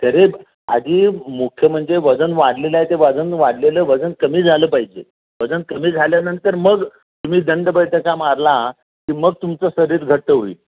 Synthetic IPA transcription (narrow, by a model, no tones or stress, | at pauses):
t̪əɾe | a̰d̪iːmukʰjəm̤əɳd͡zeʋəd͡zənʋaɽlelajt̪eʋəd͡zənʋaɽleləːʋəd͡zənkəmiːd͡zʱaləːpaɦid͡ʑḛ | ʋəd͡zənkəmiːd͡zʱaljanənt̪əɾməɡ | t̪um̤iːd̪əɳɖəbəjʈ̪əkamaɾla | kiːməɡ̚t̪umt͡səsəɾiːɾɡʱəʈ̚ːəɦoḭː